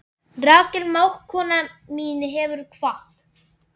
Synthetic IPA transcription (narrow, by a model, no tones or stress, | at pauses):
raːcɪɾmaːwhkʰːɔːnamiːnɪɦɛvʏɾ̥kʰvaht̪